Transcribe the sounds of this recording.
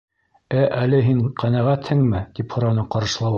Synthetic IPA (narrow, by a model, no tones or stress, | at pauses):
æʔælɘɦiɴqʰænæʁæt̪hɘŋmɘt̪iphŏɾɑnɤqɑɾɤ̆ʃlˠɑw